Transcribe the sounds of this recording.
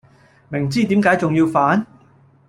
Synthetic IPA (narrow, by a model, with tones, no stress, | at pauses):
mɪ˨˩ŋt͡siː˥t̪iː˨˥mkaː˨˥jt͡sʊ˨ŋjiː˧wfaː˨˥n